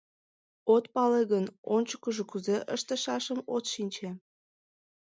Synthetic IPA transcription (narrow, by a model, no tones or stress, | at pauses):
ot̪pɑleɣənonʲt͡ɕə̥kəʒokuzeʔəʃt̪əʃɑʃəmot̪ʃinʲt͡ɕe